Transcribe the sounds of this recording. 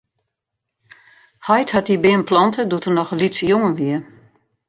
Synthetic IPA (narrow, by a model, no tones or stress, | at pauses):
hɔjthat̚dibɪənplɔntʰədutərnɔxəlitsəjoŋənʋiə